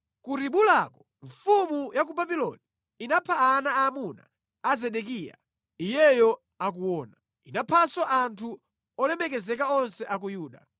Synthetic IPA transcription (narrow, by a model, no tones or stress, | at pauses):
kuɾiɓulakɔ̥ | ɱfumujak̬ubabilɔ̰ni | inapʰaanaaːmuna̰ː | zɛɗɛk̬iːja̰ | ijɛjɔ | ak̬uwɔːna | inapʰasɔʔantʰu | ɔlɛmɛkɛzɛk̬aɔnsɛʔak̬ujuːɗa